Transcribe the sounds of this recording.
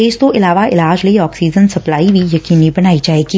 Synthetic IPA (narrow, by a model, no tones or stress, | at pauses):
eːd͡ʒt̪oʔɪlaːʋaʔɪlaːd͡ʒlɐiɔːksiːd͡ʒənsɐplaːibʱijɐkiːnibɐnaːid͡ʒaːeːɡiː